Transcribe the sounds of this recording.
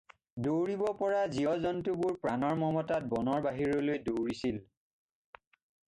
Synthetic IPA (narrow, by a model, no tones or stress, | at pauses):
dowɹibɔpɔɹaziɔzɔntubuɹpɹanɔɹmɔmɔtat̚bɔnɔɹbaɦiɹɔlojdowɹisil